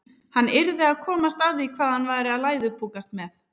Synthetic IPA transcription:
hanːɪɾðɪaðkʰɔːmast̪aðikʰvaːðhanvaːjɾɪaðlaːjðʏpʰuːkast̪mɛθ

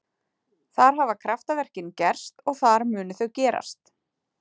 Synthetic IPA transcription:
θaɾ̥ɦavakʰɾaft̪avɛr̥cɪncɛr̥st̪ɔɣθaɾmʏːnʏθœɣcɛːɾa̰st̪

